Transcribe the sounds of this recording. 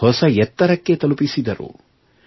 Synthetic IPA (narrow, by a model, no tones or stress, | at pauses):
hɔsɐjɛt̪ːɐɾɐkːe̞t̪ɐlupisid̪ɐɾṵ